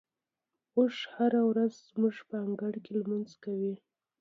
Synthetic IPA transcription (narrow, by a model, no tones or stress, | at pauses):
oʃhaɾawɾazzmuʒpəaŋɡaɽkelmanzkawi